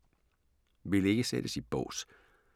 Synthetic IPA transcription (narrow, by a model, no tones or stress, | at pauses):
ʋele̝ɡ̥əsḛd̥əsib̥ɔ̰ːs